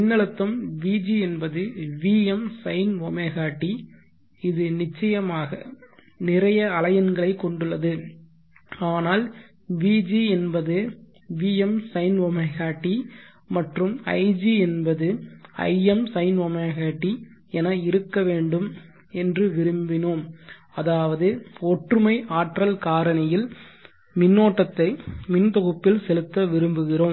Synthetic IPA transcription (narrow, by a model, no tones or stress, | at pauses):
ɪnːɐɭɐt̪ːɐmʋiːd͡ʒiɛnbɐðɯʋiːɛmsɐɪnʋɔmɐɪɣaːʈːi | ɪðɯnɪt͡ʃːɐjɐmaːɣɐ | nɪrɐjɐɐlɐjɐnɡɐɭɐɪkːɔɳɖɯɭːɐðɯ | aːnaːl | ʋiːd͡ʒiɛnbɐðɯ | ʋiːɛmsɐɪnʋɔmɐɪɣaːʈːi | mɐʈrɯmɐ̰ɪd͡ʒiɛnbɐðɯɐ̰ɪɛmsɐɪnʋɔmɐɪɣaːʈːi | ɛnɐɪɾɯkːɐʋeːɳɖɯm | ɛndrɯʋɪɾɯmbɪnoːm | ɐðaːʋɐðɯɔʈrɯmɐɪʔaːʈrɐlkaːɾɐnɐjɪl | mɪnːoːʈːɐt̪ːɐɪmɪnt̪ɔɣɯpːɪlsɛlɯt̪ːɐʋɪɾɯmbɯɣɪroːm